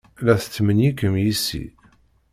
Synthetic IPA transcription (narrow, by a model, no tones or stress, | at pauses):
læθə̥t͡sːmənjikəmjisḭ